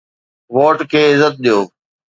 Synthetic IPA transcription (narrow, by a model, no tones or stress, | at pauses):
ʋoːʈkʰeːɪzət̪̚ɗijoː